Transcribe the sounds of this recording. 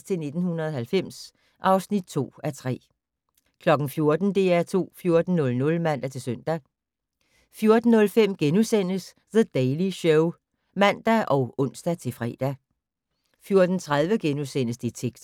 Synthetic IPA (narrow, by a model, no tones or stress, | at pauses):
st͡sʰe̝lne̝d̥n̩hunɐðˠɐhælfem̰s | ʔɑ̈ʊsnid̥̚t͡sʰo̝̰ːæt͡sʰʁɛ̰ː | kʰlɒ̽ɡ̥n̩fjo̝ɐd̥n̩d̥e̝æɐt͡sʰo̝̰ːfjo̝ɐd̥n̩nɔ̽lnɔ̽lmæn̰d̥æt͡sʰe̝lsøn̰d̥æ | fjo̝ɐd̥n̩ːɔ̽lfem̰ɡ̥enusen̰əs | ðəd̥ɛɪliɕɔʊ | mæn̰d̥æʔɒ̽ʊɔ̽n̰sd̥æt͡sʰe̝fʁɛ̰ːd̥æ | fjo̝ɐd̥n̩t͡sʰʁað̞ˠʋəɡ̥enusen̰əsd̥it͡sʰeɡ̥s